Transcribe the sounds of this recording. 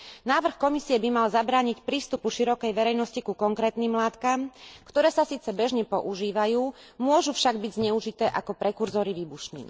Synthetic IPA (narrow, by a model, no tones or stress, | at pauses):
naːʋr̩xkɔmisiɛbimalzabɾaːɲicpɾiːst̪upuʃiɾɔkɛjʋɛɾɛjnɔscikukɔŋkɾɛːt̪niːmlaːt̪kamkt̪ɔɾɛːsasiːt͡sɛbɛʒɲɛpɔʔuʒiːʋajuː | mʊɔʒufʃaɡ̚biɟzɲɛuʒit̪ɛːʔakɔpɾɛkuɾzɔɾiʋiːbuʃɲḭn̰